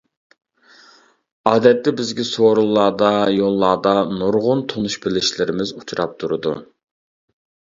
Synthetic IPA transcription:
ɑːd̪ɛt̪ːɛbɪzɡʲɛsoɾulˠːɑːd̪ɑjolˠːɑːd̪ɑnoɾʁʊnt̪ʰonuʃbɪlɪʃlɪɾɪmɪzut͡ʃʰuɾɑp̚t̪ʰuɾɨd̪ṵ

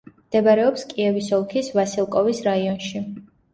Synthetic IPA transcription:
md̪̥ɛbaɾɛɔpskʼiɛvisɔlˠkʰisvasilˠkʼɔvisɾaiɔnʃi

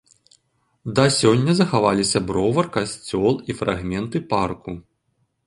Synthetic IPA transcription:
d̪ɐsʲɔnʲːɐzɐxavalʲisʲɐbɾɔvɐrkasʲt͡sʲɔlˠifɾa̰ɣmʲɛnt̪ɨparku

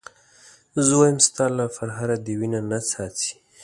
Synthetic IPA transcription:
zwajəmst̪ɑlafaɾɦaɾad̪əwinanat͡sɑt̪i̥

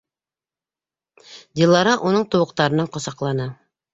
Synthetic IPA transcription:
d̪ʲilˠːɑɾɑʔunɤɴt̪ŏwɤ̆q̚t̪ɑɾɤ̆nɑɴqŏsɑqlˠɑnɤ

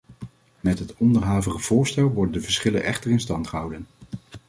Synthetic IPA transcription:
mɛtɦətɔndəɹɦaːvəχəv̥ʊːɹstɛlˠʋɔɹdəndəvəɹsχɪlə̰nɛ̰χtəɹɪnstɑntχəɦɑwdən

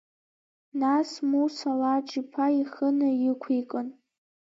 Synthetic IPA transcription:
nasmusalaʈ͡ʂʼipʰaiχənɨjɪkʷʰikʼɨn

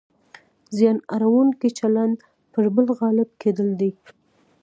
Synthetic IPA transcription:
zjɑna̰ɾawuŋkit͡ʃaland̪ | pəɾbəlɣɑlɪb̚kʰed̪əld̪i

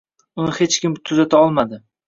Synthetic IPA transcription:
ʊnɪhet͡ʃkʲɪmt̪ʰʊzat̪ʰaɒlˠmad̪ɪ

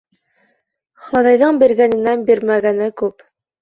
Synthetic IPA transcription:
χɑðɑjðɤɴbiɾɡænɘ̆nænbiɾmæɡænɘkʉp

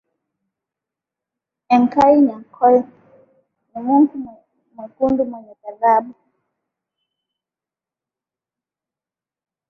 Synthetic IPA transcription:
ɛŋkaiɲaŋkʰɔl | mumuŋku | mukundumwɛɲɛkaðaɓu

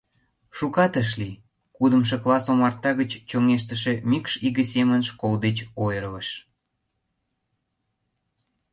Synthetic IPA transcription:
ʃukɑt̪əʃ̬li | kud̪əmʃ̬ə̆klɑsomɑrt̪ɑɣət͡ɕt͡ɕoŋeʃ̬t̪ə̆ʃĕmikʃiɣəsemənʃkold̪et͡ɕojəɾələʃ

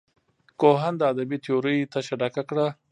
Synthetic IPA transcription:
koɦand̪əad̪abit̪ɪjoɾəjt̪aʃaɖakakɽa

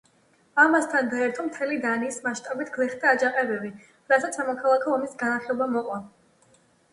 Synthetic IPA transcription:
amast̪ʰanɡaɛɾt̪ʰɔmt̪ʰɛlid̪aniːsmaʃt̪ʼabit̪ʰɡ̥lˠɛχd̪aːd͡ʒaqʼɛbɛbi | ɾasat̪sʰamɔkʰalˠakʰɔːmisɡanaχɛlɔbamɔqʼɔ

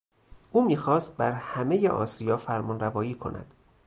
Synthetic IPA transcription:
ʔuːmiːxɒːst̪̚bæɾhæme̞jeʔɒ̰ːsijɒːfæɾmɒːnɾævɒːjiːkʰo̞̰næ̰d̪̥

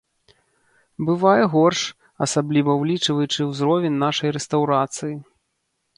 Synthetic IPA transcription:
bɨvajɛɣɔrʂ | ɐsablʲivɐwlʲit͡ʂvɐjut͡ʂɨwzɾɔvʲɛnʲːaʂɐjɾɛst̪awɾat̪sɨji

